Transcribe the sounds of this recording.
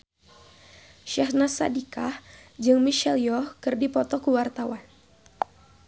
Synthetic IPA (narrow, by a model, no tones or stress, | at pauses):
ʃahnasadikahd͡ʒɨŋmiʃɛljɔhkɨrdipɔt̪ɔkuwart̪awan